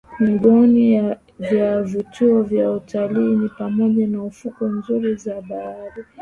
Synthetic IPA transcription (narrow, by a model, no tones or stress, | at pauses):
miɓɔni | vjavituɔvjautʰaliːnipamɔʄanaufukɔnzuɾizaɓaaɾa